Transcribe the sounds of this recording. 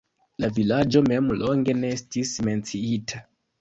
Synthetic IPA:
lavilad͡ʒo̞me̞mloŋɡe̞nestisme̞nt͡siitʰa

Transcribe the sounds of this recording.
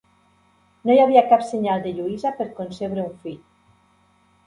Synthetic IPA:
nojaβiakapseɲalˠd̪eʎuizapeɾkonseβɾeuɱfiʎ

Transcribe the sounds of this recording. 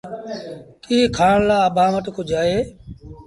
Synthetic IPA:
kiːkʰaːɳlaːəɓaːməʈkʰoːd͡ʒaːeː

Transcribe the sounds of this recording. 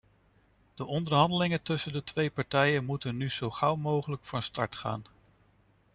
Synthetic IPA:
d̥əʔɔndəɹɦɑndəlɪŋətɵsəndətʋejpɑɹtɛjənmutənyz̥owχɑwmowχələkfɑnstɑɹtχa̰ːn

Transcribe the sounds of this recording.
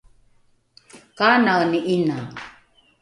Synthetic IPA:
kaːnaɣniʔina

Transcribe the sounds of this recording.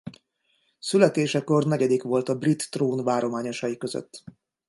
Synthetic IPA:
sylɛt̪eːʃɛko̞rnɛɟɛd̪ikʋo̞lt̪ɒbrit̪ːroːnvaːɾo̞maːɲo̞ʃɒjikø̞zø̰t̪ː

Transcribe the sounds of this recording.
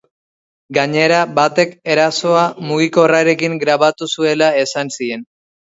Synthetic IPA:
ɡaɲe̞ɾabat̪e̞ke̞ɾaso̞amuɣ̞iko̞raɾe̞kiŋɡɾaβat̪usue̞lae̞sansie̞n

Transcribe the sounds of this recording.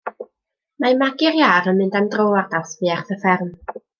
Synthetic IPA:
mamaɡɪɾjaːɾənmɨndamdroːardawθvɨːarθəfɛrm

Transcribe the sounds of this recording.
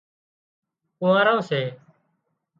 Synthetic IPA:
kʊ̃ʋãːɾãːseː

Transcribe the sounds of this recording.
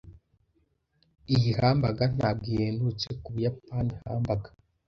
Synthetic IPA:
ijihaːmbaɡan̥aːb̚ɡiheːndut͡se̞kuβujapaniha̰ːmbaɡḁ

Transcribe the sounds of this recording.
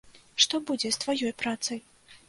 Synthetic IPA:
ʂt̪ɔbud͡zʲɛst̪vajɔjpɾat̪sɐj

